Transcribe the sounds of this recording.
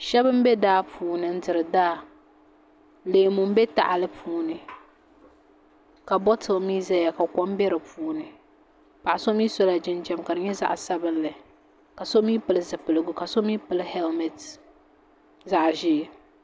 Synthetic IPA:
ʃɛ˦bɨ˦m˦bɛ˦daː˦pʰuː˨˦nɨ˨n̩˦dɨ˨ɾɨ˨daː˦ | leː˨mʊ˨m˦bɛ˦ta̰˦˨ʔa˨lɨ˦pʰuː˦nɨ˨ | ka˨bɔ˦tʰɨ˨lmi˦zɛ˦ja˨ka˨kɔ˦m˦bɛ˦ɾɨ˨puː˨˦nɨ˨ | pa˨ʔa˨so˦miː˦sɔ˦la˨d͡ʒɪ˦nd͡ʒɛ˦mka˨dɨ˨ɲɛ˦za̰˦ʔsa˦bɨ˦nlɨ˨ | ka˨so˦miː˦pɨ˨lɨ˦˨zɨ˨pɨ˨lɨ˨ɡʊ˦ka˨so˦mi˦pɨ˦lɨ˦hɛ˦lmɛ˨t | za˦ʔʒɪː˦˨

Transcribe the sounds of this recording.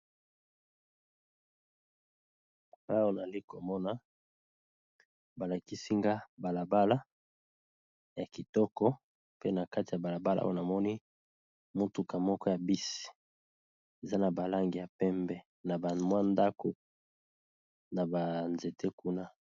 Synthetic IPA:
a˨a˦o˦na˨li˦ko˨mɔ˦na˦ | ba˨la˨ki˦si˦ŋɡa˦ba˨la˨ba˦la˦ | ja˨ki˨tɔ˦kɔ˦ | pe˦na˨ka˦ti˨ja˨ba˨la˨ba˦la̰˦ʔo̰˦jo˨na˨mɔ˦ni˦ | mo˦tu˨ka˨mɔ˦kɔ˦ja˨bi˦si̥˨ | e˨za˦na˨ba˨la˦ŋɡi˨ja˨pɛ˦mbɛ˦ | na˨ba˨mwa˦nda˦ko˨ | na˨ba˨nze˨tʰe˦ku˦na˦

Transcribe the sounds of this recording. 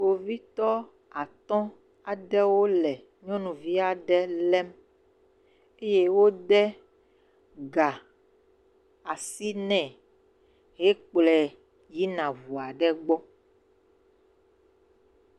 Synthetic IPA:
o˨vi˦t̪ɔ˦ | a˨t̪ɔ̃˦ | a˨ɖɛ˦wo˦lɛ˨ | ɲɔ̃˦nũ˨vi˦a˨ɖɛ˦lɛ˦m | e˦je˦wo˦ɖɛ˦ | ɡa˨ | a˨si˦nɛ̃˨ | ɦe˦k͡plɛ˨ | ji˦nã˨vu˨a˨ɖɛ˦ɡ͡bɔ˦

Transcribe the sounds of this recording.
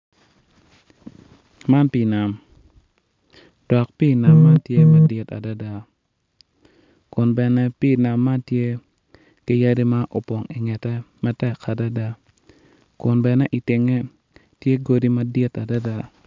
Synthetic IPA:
ma˦npi˦na˨m | d̥ɔ˨kpi˦na˨mːa˦tje˦ma˦dɪ˨ta̰˨da˦da˨ | kʊ˨nbɛ˨nɛ˦pi˦na˨mːa˦tje˦ | kɪ˦ja˦di˦ma˦ʔo˨pɔ˨ŋi˨ŋɛ˨tɛ˦mɛ˦tɛ˦kʰa˨da˦da˦ | kʊ˨nbɛ˨nɛ˦ʔi˨tɪ˨ŋɛ˦ | tje˦ɡo˦di˦ma˦djɪ˦ta˨da˦da˦

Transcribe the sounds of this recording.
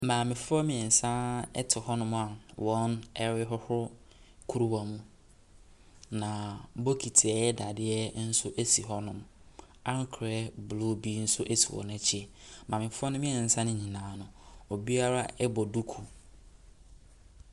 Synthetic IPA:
mãː˨mɪ̃˨fʊ˦ɔ˦mɪ̃˨ɛ˨n̩˨sã˦ɛ̰˦tʰɪ˨hɔ˦nʊ̃˦ma˨wɔ̃˦nɛ˦ɾɪ˦ɦɔ˦hʊ˦ɾ | kʰu˦ɾu˦wa˨mũ˦ | nã˨˦bo˦kʰi˨tʰɪ˨ɛ˨˦ɛ˦da˨dɪ˦ɛ˦n̩˦sʊ˦ʔe˦si˨ɦɔ˦nʊ̃˨m | ã˦ŋ˦kʰɾɛ˦blo˦bi˦n̩˦sʊ˦ʔe˦si˨wɔ̰˨ñ˦ɛ˨t͡ɕʰɪ˦ɛ˨mãː˨mɪ̃˨fʊ˦ɔ˦nʊ̃˦mɪ̃˦ɛ˨n̩˨sã˦nɪ̃˦ɲĩ˨nãː˨nʊ̃˨o˨bi˦a˦ɾa˦ɛ˦bɔ˨du˦kʰu˨

